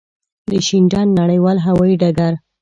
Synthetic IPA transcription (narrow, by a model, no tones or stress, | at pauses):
d̪əʃind͡ʒɑnːaɽəjwɑlɦawɑiɖaɡaɾ